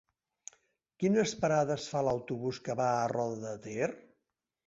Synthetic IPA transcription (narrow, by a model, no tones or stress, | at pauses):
kinəspəɾaðəsfaləwt̪uβuskəβaərɔðəðət̪er